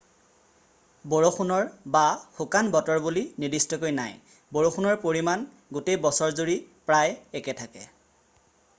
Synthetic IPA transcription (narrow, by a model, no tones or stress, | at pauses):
boɹoxʰunɔɹbaxukanbɔtɔɹbulinidistɔkojna̰j | boɹoxʰunɔɹpoɹiman | ɡutejbɔsɔɹzuɹipɹajɛkɛtʰakɛ̰